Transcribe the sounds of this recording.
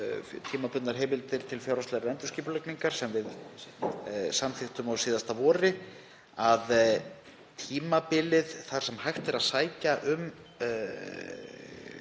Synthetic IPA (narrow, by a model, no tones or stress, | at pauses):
t̪ʰiːmapʏt̪naɾ̥ɦɛːmɪlt̪ɪɾ̥t̪ʰɪlfjawɾast̪ɛɾaɛnt̪ʏ̥sciːpʏlɛkniŋkaɾ̥sɛmvɪð | samθɪxt̪ʏmawsiːðast̪avɔːɾɪ | að | t̪ʰiːmapɪlɪðθaɾ̥sɛmhajxt̪ɛɾaðsaːjcaʔʏm